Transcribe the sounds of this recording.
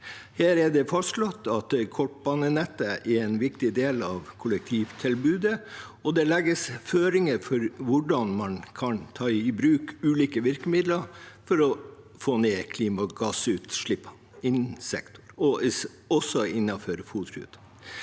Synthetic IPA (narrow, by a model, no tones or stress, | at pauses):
hæːɾɛɖ̪ɛfɑsʂlɔt̪ːɑt̪kʰɔʈ̚bɑːnənɛt̪ːəɛɾɛnʋɪkt̪ɪd̪eːlɑʋkʰʊlɛk̚t̪ʰiːʋt̪ʰɪlbʉːd̪ə | ɔd̪ɛlɛɡːəsføːɾɪŋəfɔɾʋʊɖɑnmɑnkʰɑnt̪ʰɑːɪbɾʉːkʉːliːkəʋɪɾkəmɪd̪ləfɔɾɔ | foːneːkʰliːmɑɡɑsʉːt̪ʂɭɪpːɑ | ɪnsɛ̰kt̪ʰʊɾɔ | ɔsːɔɪnːɑføːɾəfuːt̪hʉ̰ːd̪̥